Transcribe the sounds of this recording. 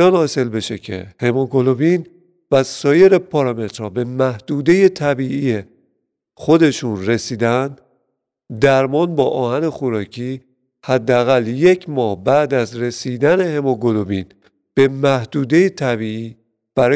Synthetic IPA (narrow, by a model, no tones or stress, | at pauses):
ɒːnhɒːse̞lbe̞ʃe̞̰cʰe̞̰hemoɡoloviːn | væsɒːje̞ɾepʰɒɾɒme̞t̪ɾɒːbe̞mæhd̪̥uːd̪e̞je̞t̪ʰæbiːʔie | xo̞d̪e̞ʃunre̞siːd̪ænd̪̥ | d̪æɾmɒːnbɒːʔɒːhæne̞xoɾɒːcʰiː | hæd̪ːeæɣælje̞cʰmɒːhbæd̪æzɾe̞siːd̪æne̞he̞moɡolobiːn | b̥e̞mæhd̪̥uːd̪e̞jet̪ʰæbiːiː | b̥æɾɒː